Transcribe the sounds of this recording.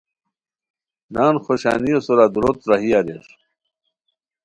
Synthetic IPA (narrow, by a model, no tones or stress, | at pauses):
naːnxoɕa̰ːniosoɾad̪uɾot̪ɾaɦijaɾeʂ